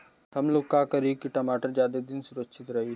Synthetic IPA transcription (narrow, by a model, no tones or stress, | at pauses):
t̪ʰɐmloːɡ̚kaːkɐɾiːkiʈɐmaːʈəɾd͡ʒjaːd̪ed̪ɪnsʊɾəkʃɪt̪ɾɐɦiː